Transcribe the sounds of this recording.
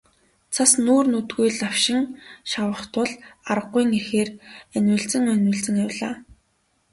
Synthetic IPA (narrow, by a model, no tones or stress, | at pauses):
t͡sʰasnoːrnut̪ɡujɮaw̥ʃɪ̆ŋʃawə̆χt̪ʰʊɮaɾə̆qːʊjŋexeːrænʲwɘ̆ɮt͡sɘ̆ŋœnʲwɘ̆ɮt͡sɘ̆ŋawɮa̰ː